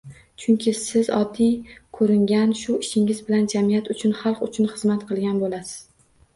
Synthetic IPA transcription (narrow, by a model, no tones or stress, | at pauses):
t͡ʃʰʊŋkʲʰɪsɪzɒ̰d̪ːijkʰɵɾɪŋɡʲanʃʊɪʃɪŋɪzbɪland͡ʒamijat̪ʊt͡ʃʰʊnχɑlˠqʊt͡ʃʰʊnχɨzmat̪qʰɨlˠɡʲanbolasɪ̥z̥